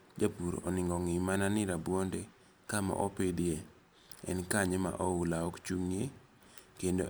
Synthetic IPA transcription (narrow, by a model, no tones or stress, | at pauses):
d͡ʒapuɾɔ̰nɪŋɡɔŋɪmananɪɾabwondɛ | kama̰ʔɔped̪e | ɛ̰nkaɲema̰ʔɔulaɔkt͡ʃuŋje | kendo